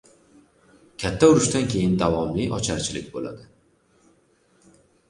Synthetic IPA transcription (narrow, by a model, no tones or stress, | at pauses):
kʲʰat̪ʰːaʊɾʊʃt̪ankʲʰe̞jɪnd̪avɒmlɪʔɒt͡ʃʰaɾt͡ʃʰɪlɪk̚ʲbola̰d̪ɪ